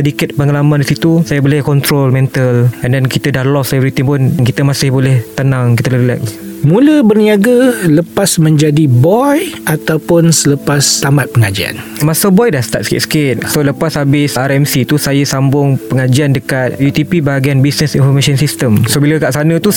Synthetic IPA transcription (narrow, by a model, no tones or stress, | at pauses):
dikət̪̚pəŋalamãndisit̪usajabolɛhkɔnt̪ɾolmɛ̃nt̪əlɛndɛnkit̪ədahlɔslɛvəɾit̪iŋpʊnnkit̪əmasɪhbolɛht̪ənãŋkit̪əllɛ̰k̚s | mũləbərniaɡələpasmə̃ɲd͡ʒadibɔjat̪awpʊnsələpast̪amat̪̚pəŋad͡ʒia̰n | masabɔjdahst̪a̰t̪̚sə̥kɪ̰t̪sə̥kɪt̪̚soləpashabɪsaɾɛmsit̪usajasambʊŋpəŋad͡ʒiandəkat̪̚jut̪ipibaɡianbisnəsinfɔrmasɔnsist̪əmsobiləkaʔsanə̃t̪u